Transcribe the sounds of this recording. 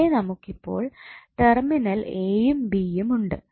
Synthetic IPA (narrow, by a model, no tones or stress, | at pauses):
enɐmukːipːo̞̰ːɭʈerminɐleːjumbijumuɳɖɨ